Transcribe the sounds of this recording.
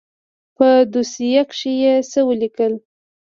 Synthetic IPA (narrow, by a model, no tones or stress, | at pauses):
pəd̪usijakʃijesəwəlikəl